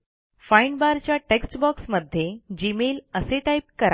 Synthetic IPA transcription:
fajɳɖbaɾt͡ɕjaʈeksʈbɔksməd̪ʱːjed͡ʑimeləseʈaip̚kəɾa

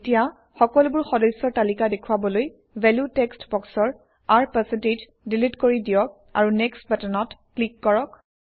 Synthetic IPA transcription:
tija | xɔkɔlʊbʊɹxɔdɔsːɔɹtalikadekʰuwabɔloj | vɛljutɛkstbɔksɔɹ | aɹpɛsɛnted͡ʒ | dilitkoɹidijɔk̚ | a̰ɹunɛkstbɛtɔnɔtklikːɔɹɔk

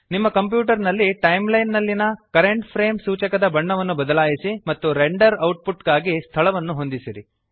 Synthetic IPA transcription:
nimːɐkɐmp̬juːʈɐɾnɐlːiʈɐjmlɐjnːɐlːinɐkɐɾeɳʈpʰɾe̞ːmsuːt͡ʃɐkɐd̪ɐbɐɳːɐʋɐnːubɐd̪ɐlaːjisimɐt̪ːuɾeɳɖɐɾɐwʈ̚puʈɡaːɡist̪ʰɐɭɐʋɐnːuɦo̞nd̪isiɾḭ

